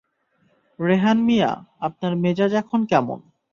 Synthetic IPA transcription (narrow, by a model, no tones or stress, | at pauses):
ɾeɦanmija̰ap̚naɾmed͡ʑad͡ʑɛkʰonkɛmo̰n